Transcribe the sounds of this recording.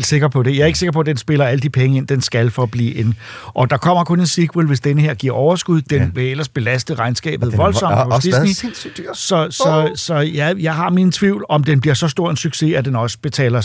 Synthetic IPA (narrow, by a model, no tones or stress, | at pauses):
l̰d̥se̝ɡ̥ɐpʰɒ̽d̥e̝jɑ̈æɐeɡ̥əse̝ɡ̥ɐpʰɒ̽d̥ensb̥e̝lɐæləd̥ipʰeŋəe̝n̰d̥ensɡ̥ælfɒ̽b̥lḭːʔe̝n | ʔɒ̽d̥ɑ̈kʰɒ̽m̰ɐkʰɔ̽ne̝nsiɡ̥ʰʁulˠʋe̝sd̥enəheɐ̰ɡ̥iɐ̰ɒʊɐsɡ̥uð̞̰ˠd̥enʋe̝el̰ɐsb̥e̝læsd̥əʁɑ̈ɪnsɡ̥ɛ̰ːb̥ð̩ˠʋɒ̽lsɒ̽m̥pʰɒsd̥isni̥sɒ̽sɒ̽sɒ̽jæjɑ̈ɪɦɑ̈minət͡sʰʋiʊlɒ̽md̥enb̥liɐsɒ̽sd̥o̝ɐ̰ensyɡ̥se̝æd̥enɒ̽sə̥b̥e̝t͡sʰɛ̰ːlɐ